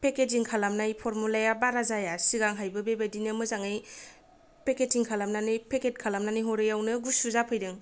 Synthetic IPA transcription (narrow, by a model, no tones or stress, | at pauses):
peked͡ʒiŋkʰalamnajpʰɔɾmulajabaɾazajasiɡaŋɦajbɯbebadinɯmɯzaŋɯj | peketiŋkʰalamnanɯjpʰeket̚kʰalamnanɯjɦoɾɯjawnɯɡusuzapʰɯjdɯŋ